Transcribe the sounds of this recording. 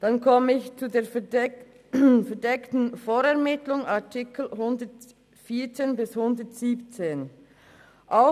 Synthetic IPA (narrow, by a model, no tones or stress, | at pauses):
d̥ankʰɔməɪçt͡sudeːɐ | fɛɐdɛktn̩foːɾɛɐʁmɪtlʊŋatʰɪkl̩hʊndət | fiːɐt͡seːnbɪshʊndətsiːpt͡seːn | ʔaʊ